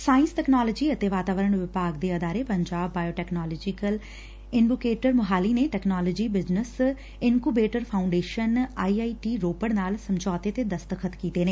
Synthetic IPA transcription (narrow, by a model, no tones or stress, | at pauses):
saːɪ̃nsʈɛːknaːlɔːd͡ʒiːət̪eːʋaːt̪aːʋəɾəɳʋɪpaːɡd̪eːəd̪aːɾeːpəɲd͡ʒaːbːaːjoːʈɛːknaːlɔd͡ʒɪkəl | ɪnɖukeːʈəɾməɦaːliːneːʈɛːknaːlɔd͡ʒiːbɪznəs | ɪnkuːbeːʈəɾpʰaːʊ̃ɳɖeːʃənaːiːaːiːʈiːɾoːpəɽnaːlsəmd͡ʒɔːt̪eːt̪eːd̪əst̪əkʰət̪kiːt̪eːneː